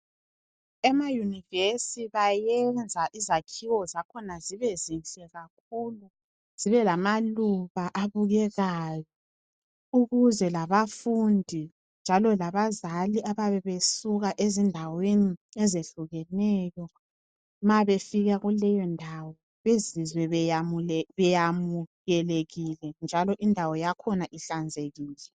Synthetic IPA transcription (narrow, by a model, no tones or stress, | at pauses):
ɛmajunivesiβajɛnd͡zʱaʔizakʰiwɔzakʰɔnaziβezint͡ɬʼɛɣak̚ʰuːlu | z̥iβɛlamaluβaʔaβuɣɛɣaːjɔ | uɣuzɛlaβafundʱi | nd͡ʒʱalɔlaβazaliʔaβaβɛβesuɣaʔezindʱaweniɛzeɬuɣɛnɛːjɔ | maβefiɣaɣulɛjɔndʱawɔ | βezizwɛmβɛjamuɣɛleɣilɛnd͡ʒʱalɔʔindʱawɔjakʰɔnaʔiɬand͡zʱeɣiːlɛ